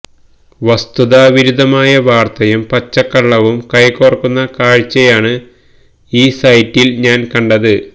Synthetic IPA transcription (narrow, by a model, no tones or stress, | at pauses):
ʋɐst̪uðaːʋiɾud̪ɐmaːjɐʋaːrt̪ɐjumpɐt͡ɕːɐkːɐɭːɐʋumkɐjkːorɐkːunːɐkaːɻt͡ɕːɐjaːɳɨ | iːsɐjtːilɲaːnkɐɳɖɐðɨ